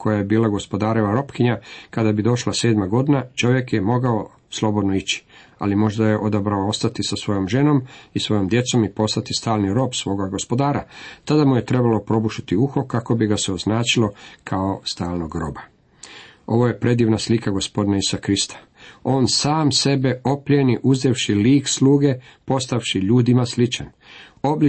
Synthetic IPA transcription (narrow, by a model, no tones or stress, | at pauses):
kʰo̞jajebiːlaɡo̞spo̞d̪aːɾeʋaɾo̞pkiɲakad̪abid̪o̞ʃlaseːd̪maɡo̞d̪inat͡ʃo̞ʋje̞kjemo̞ɡao | slˠo̞bod̪noit͡ɕi̥a̰limo̞ʒd̪ajeʔo̞d̪abɾaoo̞st̪at̪isasʋo̞jo̞mʒe̞no̞misʋo̞jo̞md̪je̞t̪so̞mipo̞st̪at̪ist̪aːlniɾo̞ːbsʋo̞ːɡaɡospo̞d̪aːɾat̪ad̪amuje̞t̪ɾe̞balo̞pɾo̞buʃit̪iuxo̞kako̞biɡaseoznaːt͡ʃilokʰaost̪aːlnoɡɾo̞ba | o̞ʋo̞je̞pɾe̞d̪iːʋnaslikaɡo̞spo̞d̪naisakɾist̪ʰḁ | o̞ːnsaːmse̞be̞o̞pʎeniʔuzd̪eʋʃiliːksluːɡe̞ | po̞st̪aʋʃiʎuːd̪imaslit͡ʃan | o̞bli